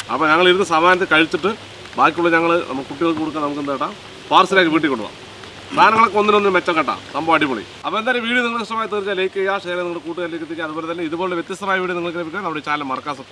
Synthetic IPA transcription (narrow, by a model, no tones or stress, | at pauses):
ɐ̰pːoːɲɐŋːɐɭiɾunːɨsɐmaːnɐt̪ːekɐɻit͡ɕːiʈːɨ | baːk̬ʲːuɭɐɲɐŋːɐɭnʔɐ̰mːɐɭkuʈːiɣɐɭkːɨkoɽukːaːnɐmuk̬ːend̪eʈːaːm | paːrsilaːjkːiʋiːʈ̬ːikːo̞ɳɖuʋa̰ːm | saːnɐŋːɐɭkːɨo̞nːino̞nːinɨmet͡ɕːɐmkɐʈːa̰ːt̪ɐmboːɐɽimuɭḭ | ɐpːoendaːlumʋiːɽɨniŋɐɭɐʂʈɐmaːjit̪eːrt͡ɕːaːlejkʲːɐjaːʂeːɾjɐniŋːɐɭkuːʈːuɣaːlekːit̪ːikʲːaɐðubo̞ːlet̪ɐlːeiðuboːleʋjet̪ːjɐst̪ɐmaːjɐʋiːɽiɨniŋːɐɭk̬ːɨlebikʲːuɐnɐmuɽet͡ɕaːlːɐmɐrɐkːaːsɐkː